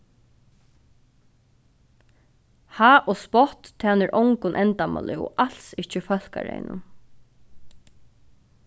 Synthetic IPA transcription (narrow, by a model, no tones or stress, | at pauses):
haːʔɔspɔht̪t̪ʰːaːnɪɹʔɔwŋkʊnʔɛnt̪ama̰lɪɔ̰ʔal̥sɪht͡ʃəfœl̥ka̰ɹḛjnʊ̰n